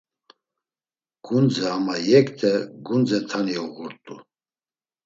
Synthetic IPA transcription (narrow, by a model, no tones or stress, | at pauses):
ɡ̥und͡zɛamajɛkʼt̪ʰɛɡund͡zɛt̪ʰaniɔɣuɾt̪ʼu